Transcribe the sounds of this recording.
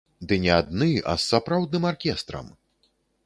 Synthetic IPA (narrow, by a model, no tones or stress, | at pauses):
d̪ɨnʲɛad̪̚nɨa̰sːapɾawd̪̚nɨmarkʲɛst̪ɾɐ̰m